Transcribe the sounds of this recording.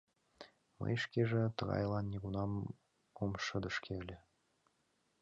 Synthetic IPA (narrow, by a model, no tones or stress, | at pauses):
mɤ̰jʃkeʒĕt̪ɤ̆ɣɑ̰jlɑnːʲiɣunɑm | komʃə̆d̪ɤ̆ʃkʰelʲɘ̆